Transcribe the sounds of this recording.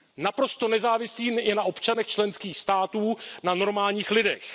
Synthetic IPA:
napɾo̞st̪o̞nɛzaːvɪsiːɛnaʔo̞pt͡ʃanɛxt͡ʃlɛnskiːxst̪aːt̪uːnano̞ɾmaːlɲiːxlɪdɛx

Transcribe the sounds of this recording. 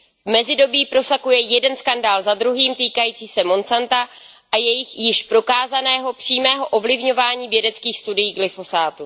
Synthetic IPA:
vmɛzɪdo̞biːpɾo̞sakujɛjɛdɛnskandaːlzad̪ɾuɦiːmt̪iːkajiːt͡siːsɛmo̞nt͡sant̪a | ʔajɛjɪxjɪʃpɾo̞kaːzanɛːɦo̞pr̝̥iːmɛːɦo̞ʔo̞vlɪvɲo̞vaːɲiːvjɛdɛt͡skiːxst̪udɪjːɡlɪfo̞saːt̪u

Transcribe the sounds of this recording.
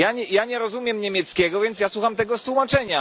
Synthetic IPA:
jaɲɛjaɲɛɾɔzumʲjɛmɲɛmʲjɛt̪skʲɛɡɔvʲjɛnt̪sjaswuxamt̪ɛɡɔst̪wumat͡ʂɛɲa

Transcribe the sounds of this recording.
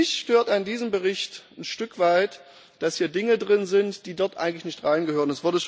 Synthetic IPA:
ɪçʃtøːɐtəandiːzəmbəʁɪçtn̩ʃtʏkv̥aɪt | d̥ashiːɐdɪŋədʁɪnzɪntd̥iːdɔɐtʔaɪɡŋ̩tlɪçnɪçtʁaɪnɡəhøːʁənɛsv̥ʊɐdəʃ

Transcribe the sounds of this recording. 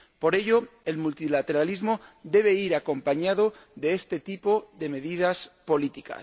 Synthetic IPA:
po̞ɾe̞ʎoe̞lmult̪ilat̪e̞ɾalizmo̞d̪e̞β̞e̞iɾako̞mpaɲaðoðe̞est̪e̞t̪ipo̞ðe̞me̞ðiðaspo̞lit̪ika̰

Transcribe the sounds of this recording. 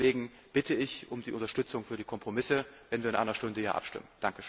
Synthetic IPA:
eːɡŋ̩ | b̥ɪtʰəɪçʔʊmdiːʔʊntɐʃtʏt͡sʊŋfyːɐdiːkʰɔmpʁ̥omɪsəvɛnviːɐɪnʔa̰ɪnɐʃtʊndəjaːʔa̰pʃtɪ̰mənd̥aŋkəʃø

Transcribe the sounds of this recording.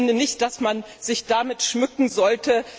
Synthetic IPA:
ndənɪçt̚d̥asmanzɪçd̥amɪtʃmʏkŋ̩zɔltʰə

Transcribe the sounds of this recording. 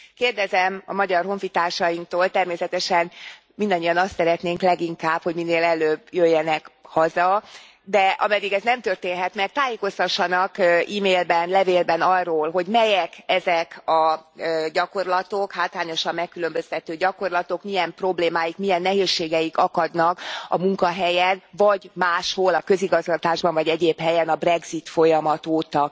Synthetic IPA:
keːrd̪ɛzɛmɒ̰mɒɟɒrɦo̞ɱfit̪aːrʃɒjiŋk̚t̪oːlt̪ɛrmeːsɛt̪ɛʃɛn | mind̪ɒɲːiɒnɒst̪sɛɾɛt̪neːŋklɛɡiŋkaːphoɟminːeːlɛløbjøjːɛnɛkhɒzɒ | d̪ɛʔɒ̰mɛd̪iɡɛznɛmt̪ørt̪eːnɦɛt̪mɛk̚t̪aːjeːko̞st̪ɒʃːɒnɒkiːmeːlbɛnlɛveːlbɛnɒrːoːlɦo̞ɟmɛjɛkɛzɛkɒ | ɟɒko̞rlɒt̪o̞khaːt̪laːɲo̞ʃɒmːɛkːylø̞mbø̞st̪ɛt̪øːɟɒko̞rlɒt̪o̞kmijɛmpro̞bleːmaːjikmijɛnːɛɦeːʃːeːɡɛjikɒkɒd̪nɒkɒ̰muŋkɒɦɛjɛnvɒɟmaːʃho̞lɒkø̞ziɡɒzɡɒt̪aːʒbɒɱvɒɟɛɟeːphɛjɛnɒbrɛɡzit̪fo̞jɒmɒt̪oːt̪ɒ

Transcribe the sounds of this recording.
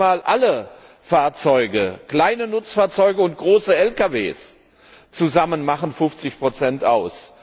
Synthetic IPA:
aːlʔalə | faːɐt͡sɔʏɡəkl̥aɪnənʊt͡sfaːɐt͡sɔʏɡəʊnt̚ɡ̥ʁoːsəɛlkavḛːs | t͡suzamənmaχənfʊft͡sɪçpʁ̥ot͡sɛnta̰ʊs

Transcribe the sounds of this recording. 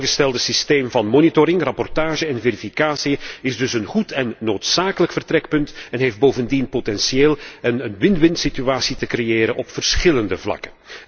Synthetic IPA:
ɣəstɛlˠdəsisteːmvɑnmonitoɾɪŋrɑpɔrtaːʒəɛnvɛɾifikaːsiɪzdɵsənχutʰɛnːoːtsaːkələkfərtrɾɛk̚pɵntɛnɦeːfd̚boːvəndinpotɛnsieːlˠənənʋɪntʋɪntsityaːsitəkrejeːɾənʔɔpfərsxɪləndəvlɑ̰kən

